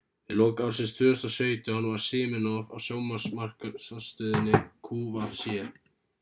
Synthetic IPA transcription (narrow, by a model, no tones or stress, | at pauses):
ɪloːwkawɾ̥sɪnst̪ʰvʏːʏst̪ɔsœːɥt̪ʏhanvaɾ̥sɪːmɪnɔva̰wsjoːwmasmar̥kasast̪œːðɪnːɪkʰuːvafsjɛ